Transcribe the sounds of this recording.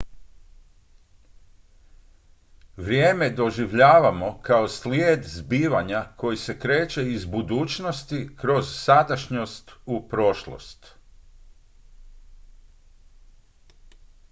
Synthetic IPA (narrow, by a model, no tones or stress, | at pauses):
ʋɾʲjeːmed̪o̞ʒiʋʎaːʋamo̞kao̞sljeːd̪zbiːʋaɲako̞jise̞kɾe̞ːt͡ɕe̞izbud̪uːt͡ʃno̞st̪ikɾo̞zsad̪aʃɲo̞st̪upɾo̞ʃlo̰st̪